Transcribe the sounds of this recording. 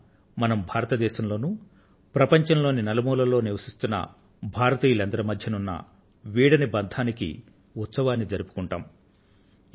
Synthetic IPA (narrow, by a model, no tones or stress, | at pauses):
mɐnɐmbʱaːɾɐt̪ɐd̪ɛːʃɐmlo̞ːnu | pɾɐpɐɲt͡ʃɐnlo̞ːninɐlɐmuːlɐlo̞ːniʋɐsist̪unːɐ̰ | bʱaːɾɐt̪iːjɐlɐnd̪ɐɾɐmɐd̪ʱjɐnunːɐ̰ | ʋiːɽɐnibɐnd̪ʱaːnikḭ | ut̪sɐʋaːnːid͡ʒɐɾupu̥kuɳʈa̰ːm